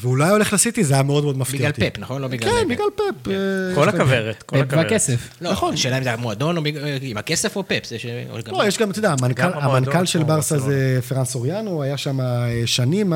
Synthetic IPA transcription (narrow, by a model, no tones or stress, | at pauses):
veulajo̞le̞χlasit̪izajameodmo̞d̪mafbiɡialtpepnaχonlobiɡlkaenbiɡlalpepeolakaveʁet̪koekakeseflonaχonʃeːlaimzeamoad̪o̞noiimakesefopepzeʃeo̰ɡlojeʃɡamt̪ed̪aːmankalamankalʃelbaʁsazefeʁansoʁjanoajaʃamaeʃanim